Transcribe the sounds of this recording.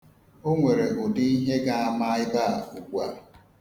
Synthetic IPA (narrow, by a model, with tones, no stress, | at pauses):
o˦ŋʷe˨ɾe˨ɡʊ˨dɪ˦i˦ɦe˦ɡa˦a˨ma˦ɪ˦ba˦˨a˨ʊ˨kʷa˦